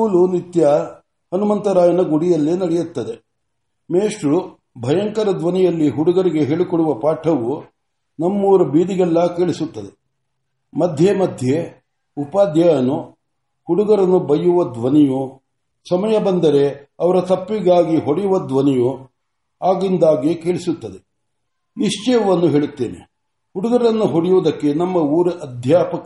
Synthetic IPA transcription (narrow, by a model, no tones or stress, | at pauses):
ulunit̪jɐ | hɐnumɐnt̪ɐɾaːjɐnɐɡuɽijɐlːenɐɽɛjut̪ːɐd̪e̞ | meːʂɾu | bʱɐjɐŋkɐɾɐd̪ʋɐnijɐlːiɦuɽuɡɐɾiɡe̞ɦeːɭikɔɽuʋɐpaːʈʰɐʋu | nɐmːuʋɾɐbiːd̪iɡɛlːɐkeːɭisut̪ːɐd̪e̞ | mɐd̪ʱjemɐd̪ʱje | upaːd̪jɐnu | huɽuɡɐɾɐnːubɐjːuʋɐd̪ʋɐnɛju | sɐmɐjɐbɐnd̪ɐɾe̞ɐʋɐɾɐt̪ɐpːiɡaːɡiɦoɽijuʋɐd̪ʋɐnɛju | aːɡind̪aːɡeke̞ːɭisut̪ːɐd̪e̞ | niʂt͡ʃɛjɐʋɐnːuɦe̞ːɭut̪ːe̞ːnḛ | huɽuɡɐɾɐnːuɦoɽijoːd̪ɐkːe̞nɐmːɐuːɾɐʔɐd̪ʱjaːpɐk